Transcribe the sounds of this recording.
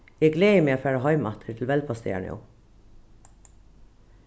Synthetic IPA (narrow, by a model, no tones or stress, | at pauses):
jɛːɡleːəmeːoːfæːɹɑɦɑɪmɑt̪ʰəʈʰl̩ʋɛlpʰɑst̪ḛːɳɪ̰ʊ̰